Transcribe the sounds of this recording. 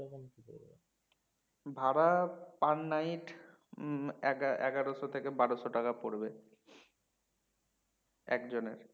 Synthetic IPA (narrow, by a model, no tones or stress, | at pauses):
konkio | bʱaɾapanːajʈ | ɡaɛ̰ɡaɾoʃot̪ʰekebaɾoʃoʈakapoɾbe | ɛ̰kd͡ʑonḛɾ